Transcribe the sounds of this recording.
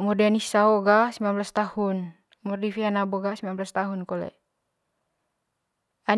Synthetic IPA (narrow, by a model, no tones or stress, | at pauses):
mudɛnisaɔɡasimbanblast̪ahun | murdifianabɔɡasimbanblast̪aɦunkɔlɛ̰ | an